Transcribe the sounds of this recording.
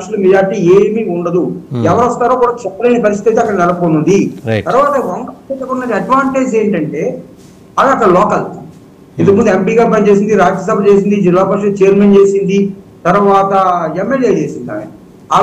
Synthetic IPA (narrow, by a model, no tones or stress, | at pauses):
kʂɐlumed͡ʒaːɾiʈiːeːmiuɳɖɐd̪uɛʋɐɾɔst̪aːɾoːkuːɽaːt͡ʃɛpːɐleːnɐpɐɾist̪it̪ɐjt̪eːɐkːɐɽɐnɛlɐpoːnuɳɖ̪it̪ɐɾʋaːt̪ɐʋɐŋkɐek̪ːɐunːɐd̪iɐɖʋaːɳʈe̞ːd͡ʒeːɳʈɐɳʈe̞ː | ɐɽɐɐkːɐɽɐlɔːkɐl | int̪ɐmund̪uempiːɡaːpɐt͡ʃe̞ːs̬ind̪iɾaːd͡ʒɐs̬ɐbʱɐt͡ʃe̞ːs̬ind̪id͡ʒilːaːpɐkʂɐlut͡ʃɛjɐɾment͡ʃe̞ːsind̪i | t̪ɐɾʋaːt̪ɐemːeljeːt͡ʃeːsind̪a̰ːj̰i | ɐ